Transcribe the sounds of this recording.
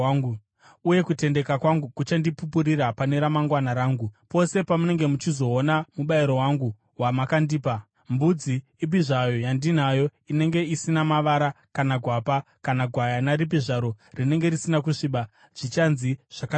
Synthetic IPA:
ŋɡu | ujekute̞nde̞kakwaŋɡukut͡ʃandipupuɾiɾapane̞ɾamaŋɡwanaɾaːŋɡupo̞se̞pamune̞ŋɡe̞mut͡ʃizo̞ːnamuɓaiɾo̞waŋɡu | wamakandiːpa | mbud͡zi | ibʱiʐajo̞jandin̤ajo̞ine̞ŋɡe̞isinamaʋaɾa | kanaɡʱwapakanaɡʱwajanaɾibʱiʐaɾo̞rine̞ŋɡe̞ɾisinakuʂiɓa | ʐ̥it͡ʃanziʐ̥ak

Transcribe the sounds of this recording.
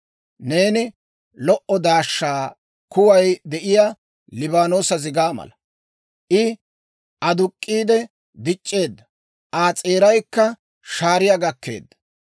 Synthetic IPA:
ne̞ːnɪ | lɔʔɔd̪aːʃːaː | kʊwɐjd̪ɛʔɪjaː | lɪbaːno̞ːsɐzɪɡaːmɐ̰lɐ | ʔɪ | ʔɐd̪ʊkʼːiːd̪ɛ | d̪ɪt͡ʃʼːe̞ːd̪ːɐ | ʔaːt͡sʼeːɾɐjkːɐ | ʃaːɾɪjaɡɐkːe̞̰ːd̪ːɐ̥

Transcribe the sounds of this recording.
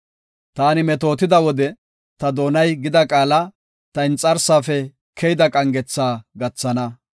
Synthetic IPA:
t̪aːnɪmɛt̪o̞ːt̪ɪd̪ɐwɔd̪ɛ | t̪ɐd̪o̞ːnɐjɡɪd̪ɐkʼaːlɐ | t̪ɐɪnt͡sʼːɐɾsaːfɛ | kʰɛjɪd̪ɐkʼɐŋɡɛt͡sːaːɡɐt͡sːɐnɐ

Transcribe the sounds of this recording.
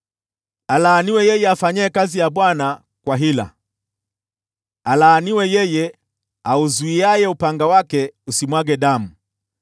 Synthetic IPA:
alaːniwɛjɛjɛafaɲɛːkazijabwana | kwaɦila̰ | alaːniwɛjɛjɛ | auzuiajɛupaŋɡawakɛusimwaɡɛdamu

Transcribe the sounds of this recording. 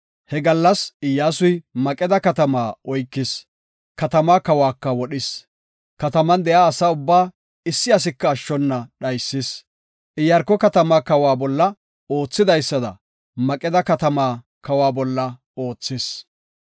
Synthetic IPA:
hɛɡɐlːɐsɪjːaːsʊjmɐkʼɛd̪ɐkɐt̪ɐmaːɔjkːɪs | kɐt̪ɐmaːkɐwaːkːɐwɔɗɪs | kɐt̪ɐmɐnd̪ɛjaːsaːʊbːaː | ɪsːɪɐs̬ɪkːɐːʃːɔnːɐɗɐjsːɪs | ʔɪjɐɾkːɔkɐt̪ɐmaːkɐwaːbɔlːɐ | oːt͡sːɪd̪ɐjsːɐd̪ɐ̰ | mɐkʼɛd̪ɐkɐt̪ɐmaː | kɐwaːbɔlːɐ | o̞ːt͡sːɪs

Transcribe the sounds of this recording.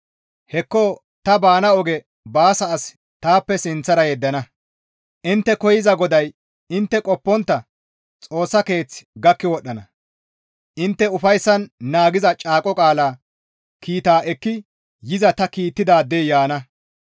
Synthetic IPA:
hɛkːoː | t̪ɐbaːnɐɔɡɛ | baːsɐːs | t̪aːpːɛsɪnt͡sːɐɾɐjɛd̪ːɐnɐ | ʔɪnt̪ːɛkɔjɪzɐɡɔd̪ɐj | ɪnt̪ːɛkʼɔpːɔnt̪ːɐ | t͡sʼo̞ːsːɐke̞ːt͡sɡɐkːɪwɔɗːɐnɐ | ʔɪnt̪ːɛʊfɐjsːɐnːaːɡɪzɐt͡ʃʼaːkʼɔkʼaːlaː | kʰiːt̪aːʔɛkːɪ | jɪzɐt̪ɐkiːt̪ːɪd̪aːd̪ːeːjaːnɐ

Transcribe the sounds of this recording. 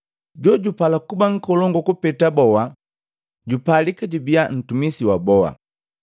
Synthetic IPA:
ɟɔɟupalakubaŋ̩kɔlɔŋɡɔkupɛtabɔwa | ɟupalikaɟubian̩tumisiwabɔwa̰

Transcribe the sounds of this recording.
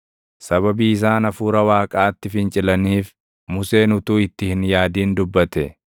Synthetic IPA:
sɐβɐbiːɪs̬aːnɐfuːɾɐwaːkʼaːt̪ːɪfɪnt͡ʃʼɪlɐniːf | mʊse̞ːnʊt̪uːɪt̪ːɪhɪnjaːd̪iːnd̪ʊbːɐt̪ɛ̰

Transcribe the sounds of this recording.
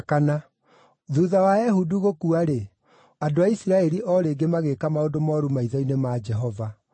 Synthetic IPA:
kana | ðuðawaɛɦuduɣokuaɾe | adoaisiɾaɛɾiʔɔɾeːɡemaɣekamaodomɔɾumaiðainemad͡ʒɛɦɔva

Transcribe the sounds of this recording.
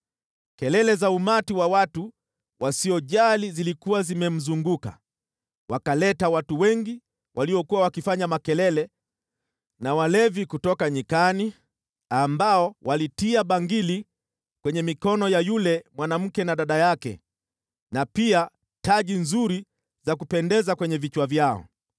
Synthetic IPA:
kɛlɛlɛzaumatiwawatu | wʔasiɔʄalizilikuwazimɛm̩zuŋɡuka̰ | wakalɛtawatuwɛŋɡi | wʔaliwɔkuwawakifaɲamakɛlɛlɛ | nawalɛvikutɔkaɲikani | ambaɔwʔalitiaɓaŋɡili | kwɛɲɛmikɔnɔjajulɛmwanam̩kɛnaɗaɗajakɛ̰ | napia | taʄinzuɾi | zakupɛndɛzakwɛɲɛvit͡ʃwavjaɔ̰

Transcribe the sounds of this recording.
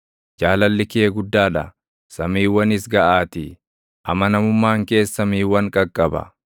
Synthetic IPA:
d͡ʒaːlɐlːɪkɪeɡʊd̪ːaːᶑɐ | sɐmiːwɐnɪsɡɐʔaːt̪i | ʔɐmɐnɐmʊmːaːŋke̞ːsːɐmiːwɐŋkʼɐkʼːɐbɐ̰

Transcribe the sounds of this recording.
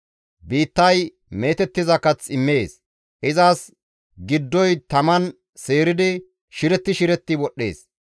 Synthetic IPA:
biːt̪ːɐj | me̞ːt̪ɛt̪ːɪzɐkɐt͡sɪmːe̞ːs | ʔɪzaːs | ɡɪd̪ːɔjt̪ɐmɐn | se̞ːɾɪd̪ɪ | ʃɪɾɛt̪ːɪʃɪɾɛt̪ːɪwɔɗːe̞̰ːs

